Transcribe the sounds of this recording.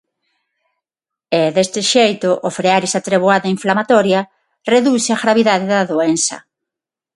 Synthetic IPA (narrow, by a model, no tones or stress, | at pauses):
eðest̪ɪʃejt̪ʊʔofɾeaɾisat̪ɾeβwaðaiɱflamat̪ɔɾjɐ | reðusɪaɣɾaβiðaðɪðaðoensɐ̰